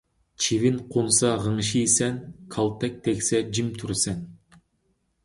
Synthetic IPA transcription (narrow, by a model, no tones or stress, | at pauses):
t͡ʃʰivinqʰunsɑʁɯɴʃijsenkʰalˠt̪ek̚t̪ʰeksed͡ʒimt̪ʰuɾsen